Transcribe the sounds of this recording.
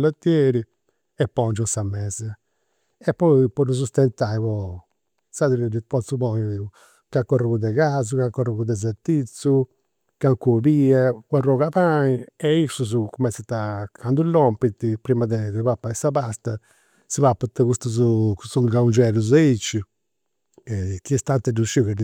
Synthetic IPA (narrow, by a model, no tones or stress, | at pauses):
lat̪ːjɛɾi | ɛpːɔnd͡ʒunsamːɛːzɛ | ɛpːɔipɔɾus̬ust̪ɛnt̪aipɔ | saðiɾiɾipɔt̪suβɔɲ | kakːɔrakud̪ɛkazukakːɔrakud̪ɛz̬ɛɾt̪it̪su | kaŋkubiɛkwarɔkapaiɛisuz̬ukumɛnsɛt̪akʰand̪ulːɔmpit̪ːipɾimad̪ɛd̪ɛpapːaɛsabast̪a | sipapːat̪ːɛkust̪uzukutuɡaund͡ʒɛluzeit͡ʃːi | ɛkiɛst̪ant̪ɛduʃikɛ